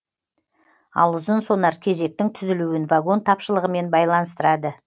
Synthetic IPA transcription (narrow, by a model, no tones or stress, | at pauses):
ɑ̰lˠʊzənso̞nɑɾkʲʰe̞ze̞k̚t̪ɪŋt̪ʰʏzɪluɪnvaɡo̞nt̪ʰɑpʃəlˠəʁəme̞nbɑjlˠɑnəst̪əɾɑd̪ə